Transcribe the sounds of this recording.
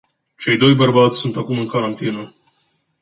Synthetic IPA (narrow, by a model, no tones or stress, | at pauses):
t͡ʃe̞jd̪o̞jbərbat̪sʲsunt̪akumɨŋkaɾant̪inə